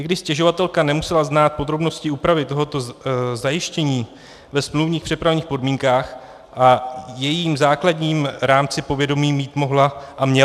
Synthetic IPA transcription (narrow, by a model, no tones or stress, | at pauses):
ɲɛɡdɪʃscɛʒo̞vat̪ɛlkanɛmusɛlaznaːt̪̚po̞d̪ɾo̞bno̞scɪuːpɾavɪt̪o̞ɦo̞t̪o̞zajɪʃcɛɲiː | vɛsmluvɲiːxpr̝̥ɛpɾavɲiːxpo̞dmiːŋkaːx | ʔajɛjiːmzaːkladɲiːmɾaːmt͡sɪpo̞vjɛdo̞miːmiːt̪mo̞ɦlaʔamɲɛ